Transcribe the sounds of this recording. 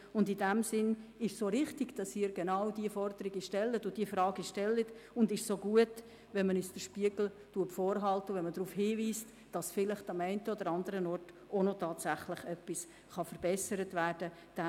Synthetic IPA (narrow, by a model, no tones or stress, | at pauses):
ʊndidɛmsɪnɪʃsoɾɪχtɪɡd̥ɑsɪːɾɡenɑwdiəfɔrdəɾiɡəʃtɛlːətʊd̥iːəfrɾɑːɡiʃtɛlːətʊndɪʃsoɡuət | ʋɛnmənysd̥əʃpiəɡl̩ | tuətfoːɾɦɑltəʊʋɛnmədɾuːfhiːviːst | d̥ɑsfɪlɪχtɑmɛɪntəodəɾɑndəɾənɔɾt | onotʰɑːtsæχlɪχœpis | χɑfəɾb̥ɛsəɾətværd̥ə | d̥a